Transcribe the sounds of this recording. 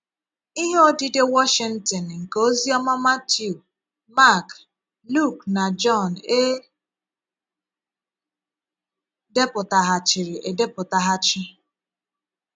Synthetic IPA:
i˦ɦe˦o˦di˦de˦wɔ˦ʃɪ˨n̩˦tɔ˨nŋ̩˨ko˦zi˦ɔ˦ma˦ma˦tju˨ | ma˦˨k | lu˦˨kna˨d͡ʒɔ˦˨n̩˨e˦ | de˦pʊ˨ta˨ɦa˨t͡ʃɪ˨ɾɪ˨ʔe˨de˦pʊ˨ta˨ɦa˦t͡ʃɪ˦

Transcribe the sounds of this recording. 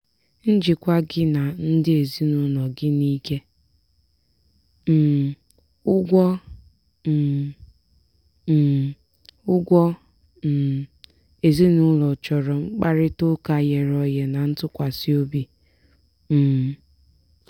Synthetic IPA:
n̩˦d͡ʒɪ˨kʷa˦ɡɪ˦na˨n̩˦dɪ˦e˨zi˦nʊ˦lɔ˨ɡɪ˦ni˦ke˦ | m̩˨ | ʊ˦ɡʷɔ˦˨ | ʊ˦ɡʷɔ˦˨ | e˨zi˦nʊ˦lɔ˨t͡ʃɔ˨ɾɔ˨ŋ͡m̩˦k͡pa˦ɾɪ˦to˦ka˨je˨ɾɔ˦je˨na˨n̩˦tʊ˦kʷa˨si˦o˦bi˦ | m̩˨

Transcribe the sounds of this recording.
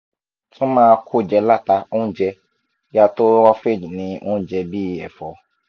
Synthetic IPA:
tũ˦mãː˦˧kʰu˦˨d͡ʒɛ˧la˦˨ta˧ũ˦d͡ʒɛ˧ | ja˧to˦wa˦fe˦˨d͡ʒi˨nĩ˧ũ˦d͡ʒɛ˧bi˦˨ɛ̰˨fɔ˨

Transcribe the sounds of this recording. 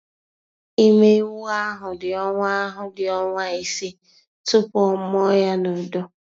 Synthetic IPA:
i˦me˦wu˦a˦ɦʊ˨dɪ˨ɔ˦ŋʷa˦ɦʊ˨dɪ˨ɔ˦ŋʷa˦i˨si˦ | tʊ˦pɔ˦m˦ɔ˦ja˦no˨do˦

